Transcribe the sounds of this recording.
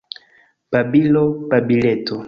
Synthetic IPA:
pabilɔpabilɛto

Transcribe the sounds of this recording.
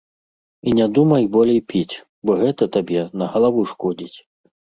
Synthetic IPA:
inʲad̪umɐjbɔlʲɛjpʲit͡sʲ | bɔɣɛt̪ɐt̪abʲɛnɐɣɐlˠavuʂkɔd͡zʲit͡sʲ

